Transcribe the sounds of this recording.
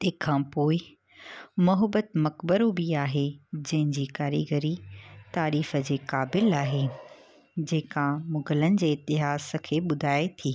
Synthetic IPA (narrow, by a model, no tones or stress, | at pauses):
t̪eːkʰãːpoːɪ | mʊɦəbət̪mɐkbəɾobiaːɦed͡ʑɐ̃ɦɪ̃ɲd͡ʑiːkaːɾiɡəɾit̪aːɾiːfə̆d͡ʑeːkaːbɪlaːɦe | d͡ʑeːkamʊɡələnɪ̆d͡ʑeːɪt̪ɪɦaːsə̆kʰeːɓʊd̪ʱaːet̪ʰiː